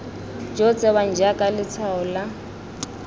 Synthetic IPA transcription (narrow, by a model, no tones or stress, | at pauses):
d͡ʒɔt͡sʼɛwand͡ʒakʼalɪt͡sʰaɔla